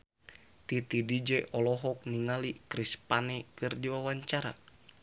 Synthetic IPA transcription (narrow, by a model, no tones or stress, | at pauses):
t̪it̪idid͡ʒɛʔɔlɔɦɔk̚niŋalikɾispanɛkɨrdiwawaɲt͡ʃaɾa̰